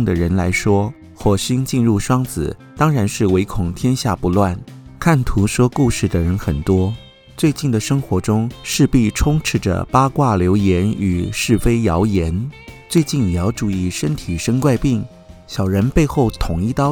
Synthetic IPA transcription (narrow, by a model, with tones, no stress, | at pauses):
ŋd̪ə˩ɻə˧˥nla˧˥ɪʂwɔ˥ | xwɔ˨˩ɕi˥ŋt͡ɕi˥˧nɻu˥˩ʂwɑ˥ŋd͡zɹ̩˨˩ | t̪ɑ˥ŋɻa˧˥nʂɻ̩˥˩we˧˥ɪkʰʊ˨˩ŋt̪ʰjɛ˥nɕja˥˩pu˧˥lwa˥˩nkʰa˥˩nt̪ʰu˧˥ʂwɔ˥ku˥˧ʂɻ̩˥˩d̪ə˩ɻə˧˥nxə˨˩nt̪wɔ˥ | t͡swe˥˧ɪt͡ɕi˥˩nd̪ə˩ʂɤ˥ŋxwɔ˧˥ʈ͡ʂʊ˥ŋʂɻ̩˥˧pi˥˩ʈ͡ʂʰʊ˥ŋʈ͡ʂʰɻ̩˥˩ʈ͡ʂə̰˩pa˥kwa˥˩ljo˧˥ʊjɛ˧˥ny˨˩ʂɻ̩˥˩fe˥ɪjɑ˧˥ʊjɛ˧˥nt͡swe˥˧ɪt͡ɕi˥˩njɑ˧˥ʊʈ͡ʂu˥˩i˥˩ʂə˥nt̪ʰi˨˩ʂə˥nkwa˥˧ɪpi˥˩ŋ | ɕjɑ˨˩ʊɻə˧˥npe˥˧ɪxo˥˩ʊt̪ʰʊ˨˩ŋi˥˧t̪ɑ˥